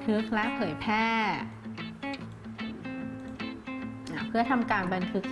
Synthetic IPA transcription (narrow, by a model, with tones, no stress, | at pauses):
t̪ʰɯ˦˥k̚lɛ˦˥ʔpʰɤː˩˦jpʰɛː˥˩ | ʔa˨˩pʰɯ˥˩ɐt̪ʰa˧mkaː˧nba˧nt̪ʰɯ˦˥k̚